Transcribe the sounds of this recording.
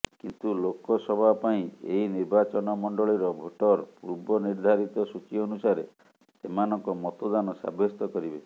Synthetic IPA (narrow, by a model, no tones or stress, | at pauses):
kint̪ulokɔsɔbʱapaĩḛɦiniɾbat͡ʃɔnɔmɔɳɖɔɭiɾɔbʱoʈɔɾpuɾbɔniɾd̪ʱaɾit̪ɔsut͡ʃiɔnusaɾe | semanɔŋkɔmɔt̪ɔd̪anɔsa̰bʱjɔst̪ɔkɔɾibe